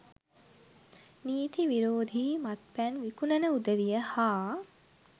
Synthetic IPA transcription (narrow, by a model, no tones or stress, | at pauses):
niːt̪iʋiɾoːd̪ʱimat̪̚pænʋikunənəud̪əʋijəhaː